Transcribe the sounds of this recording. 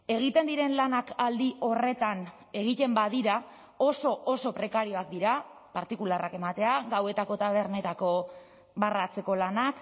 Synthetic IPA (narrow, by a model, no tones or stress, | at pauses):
e̞ɣ̞it̪e̞nd̪iɾe̞nlanakald̪iʔo̞re̞t̪an | e̞ɣ̞it̪e̞mbað̞iɾa | o̞so̞oso̞pɾe̞kaɾio̞ak̚d̪iɾapaɾt̪ikularake̞mat̪e̞aɡawe̞t̪ako̞t̪aβ̞e̞ɾne̞t̪ako̞ | βarat͡se̞ko̞lanak